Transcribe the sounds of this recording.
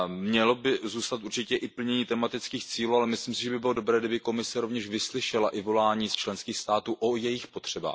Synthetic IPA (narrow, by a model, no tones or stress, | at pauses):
mɲɛlo̞bɪzuːst̪at̪uɾt͡ʃɪcɛʔɪpl̩ɲɛɲiːt̪ɛmat̪ɪt͡skiːxt͡siːluːalɛmɪsliːmsɪʒɛbɪbɪlo̞do̞bɾɛːɡdɪbɪko̞mɪsɛɾo̞vɲɛʃvɪslɪʃɛlaʔɪvo̞laːɲiːst͡ʃlɛnskiːxst̪aːt̪uːʔojɛjɪxpot̪r̝̥ɛba̰ːx